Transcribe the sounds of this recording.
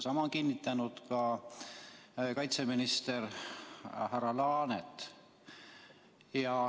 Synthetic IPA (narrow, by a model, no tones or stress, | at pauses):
sɑmɑkinʲːit̪ːˑɑnud̪̥kɑ | kɑjt̪seminist̪eɾ | ɦæɾɑlɑːnet̪ː | jɑ